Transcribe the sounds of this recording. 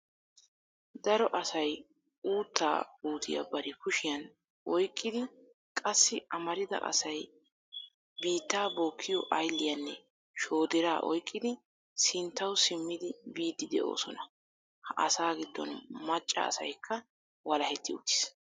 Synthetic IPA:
d̪ɐɾɔʔɐsɐj | uːt̪ːa̰ːuːt̪ʰɪ̰jɐ̰bɐɾɪkʊʃɪjɐn | ʔɔjkʼːɪd̪ɪ | kʼɐsːɪʔɐmɐɾɪd̪ɐ̰ʔɐ̰sɐj | biːt̪ːaːbo̞ːkʰːɪjɔʔɐjlːɪjɐnːɛ | ʃo̞ːd̪ɛɾaːʔɔ̰jkʼːɪd̪ɪ | sɪnt̪ːɐwsɪmːɪd̪ɪbiːd̪ːɪd̪ɛ̰ʔo̞̰ːsɔnɐ | hɐʔɐ̰saːɡɪd̪ːɔ̰nmɐt͡ʃʼːɐ̰ːsɐjkʰːɐ | wɐlɐhɛt̪ʰːɪʊ̰t̪ːɪ̥s

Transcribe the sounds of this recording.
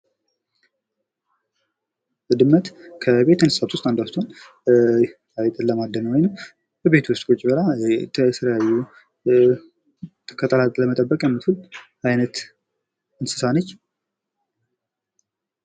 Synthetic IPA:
d̪ɨmːət̪kʰəbe̞t̪ɨnsɨ̥sat̪ʰwʊst̪ʼand̪ast̪ʰon | ajt̪ʼɨlːəmad̪ːənəwojnɨm | bəβe̞t̪ʰwʊst̪ʼkʼot͡ʃʼːbəlat̪ʰəɛt̪ʰələjajːu | t̪ʰɨ̥kʰːət̪ʼəlat̪ʼləmət̪ʼəbːəkʼjɛmːɨt̪ʰul | ajnət̪ | ɨnsɨ̥sanət͡ʃː

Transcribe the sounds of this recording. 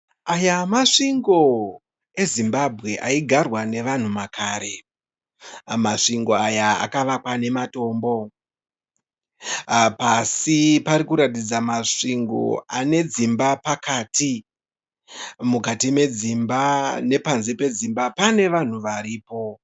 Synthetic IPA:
ajamaʂiŋɡo̞ | e̞zimbabʱɣe̞ʔaiɡʱarwane̞ʋan̤umakʰaːɾe̞ | maʂiŋɡo̞ajaa̰kaʋakwane̞mato̞ːmbo̞ | pasipaɾikuɾatid͡zamaʂiŋɡo̞̰ane̞d͡zimbapakaːti | mukatime̞d͡zimbane̞panzipe̞d͡zimbapane̞ʋan̤uʋaɾiːpo̞

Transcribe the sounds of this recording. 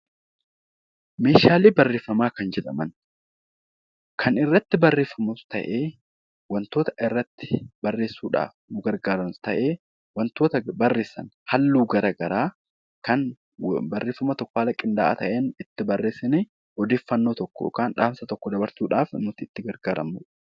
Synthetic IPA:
me̞ːʃaːliːbɐrːe̞ːfːɐmaːkɐnd͡ʒɛᶑɐmɐn | kʰɐnɪrːɐt̪ːɪbɐrːe̞ːfːɐmʊst̪ɐ̰ʔeː | wɐnt̪o̞ːt̪ɐ̥ʔɪrːɐt̪ːɪ̥bɐrːe̞ːsːuːᶑa̰ːfnʊɡɐɾɡaːɾɐnst̪ɐʔe̞ː | wɐnt̪o̞ːt̪ɐbɐrːe̞ːsːɐ̰nhɐlːuːɡɐɾɐɡɐɾaː | kɐn | bɐrːe̞ːfɐmɐt̪ɔkːaːlɐkʼɪnd̪a̰ːʔa̰t̪ɐʔeːnɪt̪ːɪbɐrːe̞ːsɪne | ɔd̪e̞ːfːɐnːoːt̪ɔkːɔ̰ɔ̰kaːnᶑaːmsɐt̪ɔkːɔd̪ɐbɐɾsuːᶑaːfnmʊt̪ːɪːt̪ːɪɡɐɾɡaːɾɐ̰muːᶑ

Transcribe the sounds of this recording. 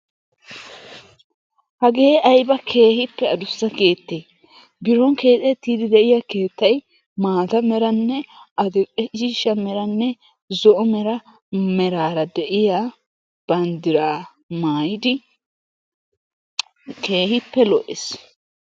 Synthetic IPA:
hɐɡe̞ːɐjbɐkʰe̞ːhɪpːɛɐd̪ʊsːɐke̞ːt̪ːeː | bɪɾɔŋke̞ːtʼɛt̪ːiːd̪ɪd̪ɛʔɪjake̞ːt̪ːɐj | maːd̪ɐmɛɾɐnːɛɐd̪ɛkʼɛiːʃɐmɛɾɐnːɛ | zɔʔɔmɛɾɐ | mɛɾaːɾɐd̪ɛʔɪja | b̥ɐnd̪ɪɾaː | maːjɪd̪ɪ | ke̞ːhɪpːɛlɔʔḛs

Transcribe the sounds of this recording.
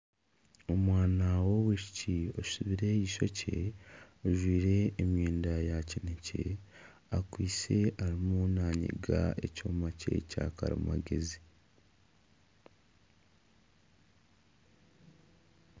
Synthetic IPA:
o̞mwaːnawoβwiʃi̥cio̞̥suβiɾe̞jiʃo̞cʰe̞ | oʒwiːɾe̞ːmjeːndajacinecʰe̞̰ | akwiːse̞aɾimunaːɲḭɡa̰e̞coːmace̞̰ca̰kaɾḭma̰ɡe̞zi

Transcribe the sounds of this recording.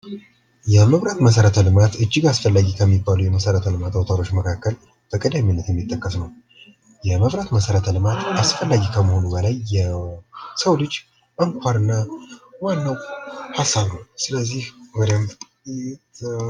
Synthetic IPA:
jɛməβɾat̪məs̬əɾət̪ʰəlɨmat̪ɨd͡ʒːɪɡasfəlːaɡikʰəmːibːaluwjɛməsəɾət̪ʰəlɨmat̪awt̪ʰaɾo̞t͡ʃːməkʰakːəl | b̥əkʼəd̪aminːət̪jɛmːit̪ʼːəkʼːəsnəw | jɛməβɾat̪məsəɾət̪ʰəlɨmat̪ʔasfəlːaɡikʰəməho̞nubəlajːɛ | səwlɨd͡ʒː | ʔəŋkʷʰaɾɨnːawanːəwhasaβnəwsɨləzːihwɔd̪əm

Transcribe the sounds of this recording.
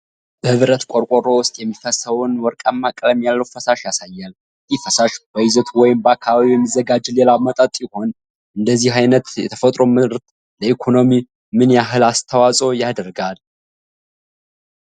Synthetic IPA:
b̥əhɨβɾət̪kʷʼoɾkʼoɾo̞wʊst̪ʼjɛmːifəsəwʊnwɔɾkʼamːakʼləmjalːəwfəsaʃjasajːal | jɪfəsaʃb̥əjɪzət̪ʰwɔjɪmbakʰaβiwjɛmːizːəɡad͡ʒlelamət̪ʼət̪ʼjɪho̞n | ʔɨnd̪əzːihajnət̪jɛ̰t̪ʰəfət̪ʼɾo̞mɨɾt̪ | ləikʰo̞nomi | mɨnjaɦɨlast̪ʰəwasʼo̞jad̪əɾɡal

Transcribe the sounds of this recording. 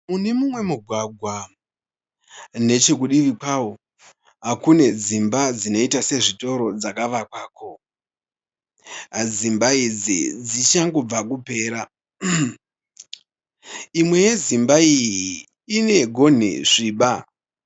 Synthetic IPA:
mune̞mumwe̞muɡʱwaɡʱwa | ne̞t͡ʃe̞k̬uɗiʋikaːwo | ɦakune̞d͡zimbad͡zino̞itase̞ʐito̞ɾo̞d͡zakaʋakwaːkʰo̞ | d͡zimbaid͡zḭd͡zit͡ʃaŋɡo̞b͡vakupe̞ːɾa | imwe̞je̞zimbaijiː | ne̞ɡʱo̞n̤ḭʐ̥iːɓa

